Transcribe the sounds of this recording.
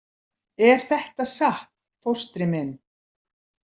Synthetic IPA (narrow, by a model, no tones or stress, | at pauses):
ɛɾ̥θɛht̪aðsah̚nfɔwr̥st̪ɾɪmɪn